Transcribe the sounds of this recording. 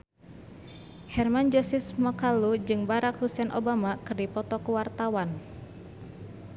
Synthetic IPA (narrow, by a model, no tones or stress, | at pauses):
hɛrmand͡ʒɔsismakalud͡ʒɨŋbaɾakhusɛnʔo̰bamakɨrdipɔt̪ɔkuwart̪awan